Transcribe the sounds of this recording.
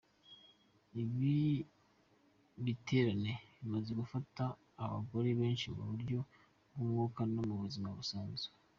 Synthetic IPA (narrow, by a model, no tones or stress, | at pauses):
iβi | βitʰe̞ːɾaneβimaze̞ɡufataː | βa̰ɡo̞ɾeβe̞ːnʃimṵβuɾɟo̞ | bumŋuːkanomuβuzimaβusaːnze̥